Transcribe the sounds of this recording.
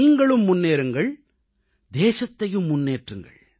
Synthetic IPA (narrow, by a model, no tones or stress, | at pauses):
iːŋɡɐɭɯmːʊnːeːɾɯŋɡɐɭ | d̪eːsɐt̪ːɐjɯmːʊnːeːʈrɯŋɡɐ̰ɭ